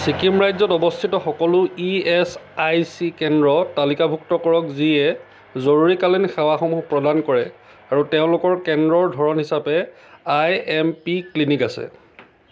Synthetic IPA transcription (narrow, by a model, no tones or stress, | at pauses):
sikimɹajzɔtɔbɔstʰitɔxɔkɔlʊiɛsajsikɛndɹɔtalikabʱuktɔkɔɹɔkziɛ | zoɹuɹikalinxawaxɔmuɦpɹɔdankɔɹɛ | aɹuteʊ̃lʊkɔɹkɛndɹɔɹdʱɔɹɔnɦisapɛ | ajɛmpiklinikasɛ̰